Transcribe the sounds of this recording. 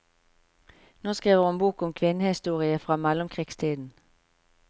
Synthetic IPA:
noːskʁiːʋəʁhʊnbuːkʊmkʰʋɪnəhɪst̪uːʁɪəfʁɑːmɛlʊmkʰʁiːɡst̪ʰiːd̪n̩

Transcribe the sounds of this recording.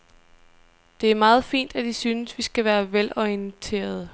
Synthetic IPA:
d̥e̝æɐmɑːð̞̩ˠfḭːn̰d̥æd̥isyːnəsʋisɡ̥æʋæːɐʋelɒiənt͡sʰe̝̰ːɐð̞ˠə

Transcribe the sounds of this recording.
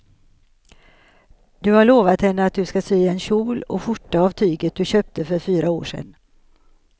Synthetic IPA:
d̪ɵhaɭoːvat̪hɛnːəat̪̚d̪ɵskasyːɛnɕuːlɔ̰fʊʈːaavt̪ʰyːɡət̪̚d̪ɵɕøːp̚t̪əfœɾfyːɾaoːʂɛ̰nː

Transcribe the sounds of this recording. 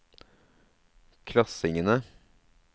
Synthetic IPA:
kʰlɑsɪŋənə

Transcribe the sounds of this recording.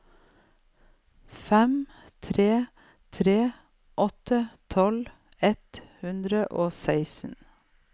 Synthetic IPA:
fɛm | t̪ʰɾeː | t̪ʰɾeː | ʔɔt̪ət̪ʰɔl | ɛt̪hʉnd̪ɾəʔoːsæɪsn̩

